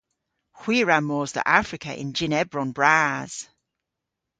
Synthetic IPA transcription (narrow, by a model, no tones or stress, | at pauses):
hw̥iːɹamɔːzðə̰ʔafɹɪkʰə̰ʔɪ̰̃nd͡ʒɪnɛbɹɔ̃nbɹaːz̥